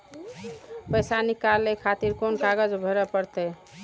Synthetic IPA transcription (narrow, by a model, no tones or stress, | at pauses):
pəjsanikalːekʰat̪iɾkonkaɡəd͡ʒbʱəɾɛpəɾt̪ɛ